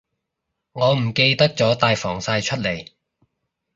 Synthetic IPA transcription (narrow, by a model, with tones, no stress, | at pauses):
ŋɔː˨˧m̩˨˩ke˧jt̪ɐ˥k̚t͡sɔː˨˥t̪aː˨jfɔː˨˩ŋsaː˧jt͡ʃʰɵ˥t̚le˨˩j